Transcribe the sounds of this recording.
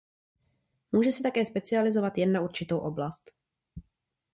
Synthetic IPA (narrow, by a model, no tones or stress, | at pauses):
muːʒɛsɛt̪akɛːspɛt͡sɪalɪzovat̪jɛnːauɾt͡ʃɪt̪owʔo̞blast̪